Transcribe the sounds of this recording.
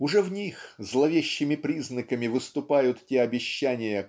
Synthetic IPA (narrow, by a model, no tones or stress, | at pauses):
ʊʐɛvnʲixzlˠɐvʲeɕːɪmʲɪpɾʲiznəkəmʲɪvɨst̪ʊpajʊt̪tʲeɐbʲɪɕːænʲɪjə